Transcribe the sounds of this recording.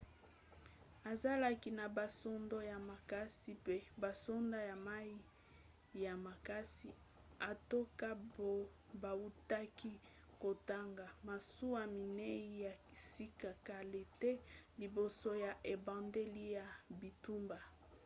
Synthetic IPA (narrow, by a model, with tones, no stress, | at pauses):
a˨za˦la˦ki˨na˨ba˨so˦ndo˦ja˨ma˨ka˦si˨pe˦ba˨so˦nda˦ja˨ma˦i˦ | ja˨ma˨ka˦si˨ | a˨to˦ka˦bo˦ | ba˨u˦ta˦ki˦ | ko˨ta˦ŋɡa˨ma˨su˦wa˦˨mi˨ne˦i˦ja˨si˦ka˨ka˨le˨te˦li˨bo˨so˦ja˨ʔe˨bã˨nde˦li˦ja˨bi˨tu˦mba˨